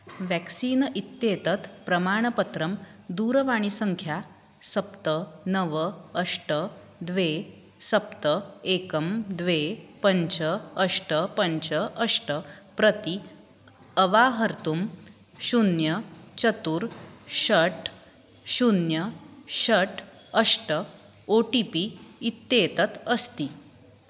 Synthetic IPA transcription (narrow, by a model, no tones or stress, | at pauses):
ʋɛksiːnʔit̪ːjet̪ət̪pɾɐmaːɳ̃əpət̪ɾəmd̪uːɾəʋaɽ̃isəŋkʰja | sɐpt̪ənəʋəəʂʈə | d̪ʋe | səp̚t̪əekəmd̪ʋepəɲt͡ɕəːʂʈəpəɲt͡ɕəʔəʂʈəpɾət̪i | əʋaɦəɾt̪um | ɕunjət͡ɕət̪uːɾɕəʈ | ɕunjəɕəʈ | əʂʈə | oʈipiit̪ːet̪ət̪əst̪i